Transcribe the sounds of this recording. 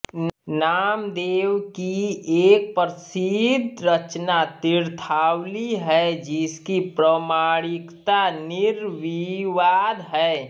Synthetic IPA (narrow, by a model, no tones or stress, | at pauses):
naːmd̪eːwkieːk̚pəɾsid̪ɾət͡ʃnat̪ɪɾt̪ʰaːwliɦɛd͡ʒɪskipɾəmaːɽɪkt̪anɪɾʋiʋaːd̪ɦɛː